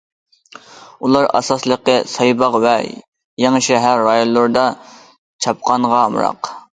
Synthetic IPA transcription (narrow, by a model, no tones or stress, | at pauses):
ulˠɑɾɑ̰sɑslˠəqəsɑjbɑqwɛ | jɑŋʃɛɦæɾːɑjonlːˠʊɾd̪ɑ | t͡ʃʰɑp̚qʰɑnʁɑmɾɑ̰q